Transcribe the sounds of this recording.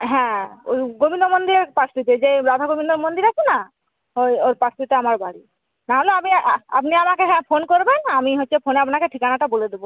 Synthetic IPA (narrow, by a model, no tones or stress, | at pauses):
ɦɛ̃o̰ɡobinomond̪iɾepɾast̪it̪ed͡ʑeɾad̪ʱaɡobinːoɾmond̪iɾat͡ʃʰena | ojoɾpast̪ʰit̪eamaɾbaɽi | naɦoleapia̰pniamakeɦɛ̃pʰonkoɾbenamiɦotːʃʰepʰoneapnakeʈʰikanaʈaboled̪ebo